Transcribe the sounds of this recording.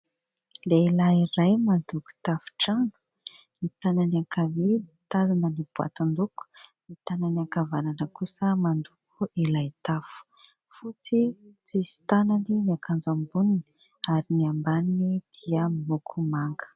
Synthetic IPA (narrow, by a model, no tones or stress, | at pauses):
leilaiɾajmand̪uku̥t̪afu̥ʈ͡ʂanu̥ | nit̪ananiakavet̪azanənib̥ua̰t̪and̪uku̥nit̪ananiakavananəkusəmand̪ukʰuilajt̪afu̥ | fut͡sit͡sisi̥t̪ananiniakʰand͡zambunini | aɾiniambaninid̪̥iəminukʰumaŋɡə̥